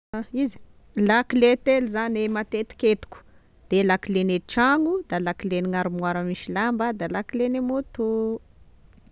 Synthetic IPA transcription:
aizi̥ | lakilet̪eluzanemat̪et̪i̥ket̪u̥ku̥ | d̪̥elakileneʈ͡ʂaŋud̪alakileniŋaɾumwaɾəmiʃilambəd̪alakilenemut̪u

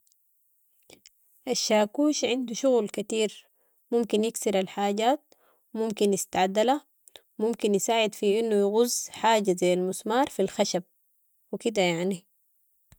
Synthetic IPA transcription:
ʔaʃːaːkuːʃʕɪnd̪uʃʊɣlkat̪iːɾ | mumkinjɪksiɾalħaːɟaːt̪̚ | mʊmkinjɪst̪aʕad̪ala | wmumkinjɪsaːʕɪd̪fiʔinːujɣʊzːħaːɟazajːalmʊsmɑːɾˤfilxaʃab̚ | wikid̪ajaʕni

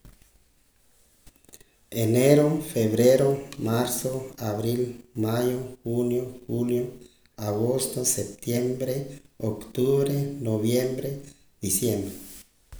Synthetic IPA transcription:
eneɾofeβɾeɾomaɾsoaβɾilmajoxunjoxuljo | aɣost̪osep̚t̪jembɾeokt̪uβɾenoβjembɾe | d̪̥isjembɾe

